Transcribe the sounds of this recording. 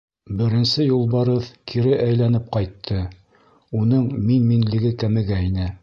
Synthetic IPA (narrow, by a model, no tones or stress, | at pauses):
bɘ̆ɾɘ̆nsɘjulˠbɑɾɤðkʰiɾɘʔæjlænɘp̚qɑjt̪ʰːɤ | unɤɴminminlɘ̆ɡɘkæmɘ̆ɡæinɘ